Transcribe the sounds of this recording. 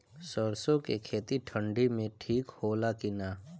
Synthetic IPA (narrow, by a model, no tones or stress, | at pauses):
səɾsõkekʰeːt̪iʈʰə̃ɳɖimẽʈʰiːkhoːlakinaː